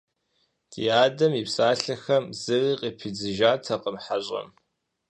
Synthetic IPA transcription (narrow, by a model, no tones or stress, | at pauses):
tʰijaːdɐmipsaːɬɐxɐmzɨriːqʼipʰid͡zɨʒaːtʰɐqəmħaɕʼɐ̰m